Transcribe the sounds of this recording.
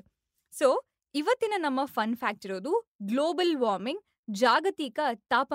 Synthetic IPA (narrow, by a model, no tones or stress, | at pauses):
soː | iʋɐt̪ːinɐnɐmːɐfɐnpʰaːk̚ʈiɾoːd̪uɡloːbɐlʋaːɾmiŋɡ | d͡ʒaːɡɐt̪iːkɐt̪aːpɐ